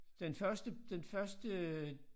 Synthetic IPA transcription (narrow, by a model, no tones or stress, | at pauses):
d̥enfɶɐsd̥əd̥enfɶɐsd̥ə